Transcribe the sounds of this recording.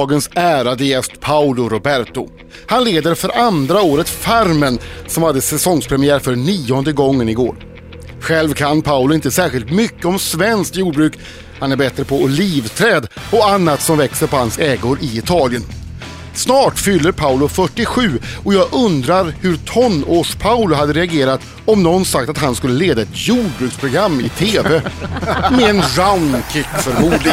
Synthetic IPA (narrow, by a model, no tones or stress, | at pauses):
ɡənsæːɾad̪əjɛst̪pʰaʊlʊɾʊbæɾt̪ʊ | hanleːd̪əɾfœɾʔand̪ɾaoːɾət̪faɾmənsɔmhad̪ːəsɛsɔŋspʰɾɛmɪæːɾfœɳiːɔnd̪əɡɔŋːənɪɡo̰ːɾ | ɧɛlvkʰanpʰaʊlʊɪnt̪əsæːɾɧɪlt̪mʏkːəɔmsvɛnskjuːɖbɾʉ̟ːk | hanæɾbɛt̪ɾəpʰɔʊliːvt̪ʰɾɛːd̪ɔanːat̪sɔmvɛksəɾpɔhansɛːɡoɾɪɪt̪ʰɑːlɪən | snɑːʈfʏlːəɾpʰaʊlʊfœʈːɪɧʉ̟ːɔjɑːɡʔɵnd̪ɾaɾhɵɾt̪ʰɔnːoːʂpʰaʊlʊɦad̪ːəɾɛaɡeːɾat̪ | ɔmnɔnsak̚t̪at̪hanskɵlːəleːd̪aɛt̪juːɖ̚bɾʉːkspʰɾʊɡɾamːɪt̪ʰeːvɛ | mɛɛnɾaʊnkʰɪkːfœɾmuːd̪lɪ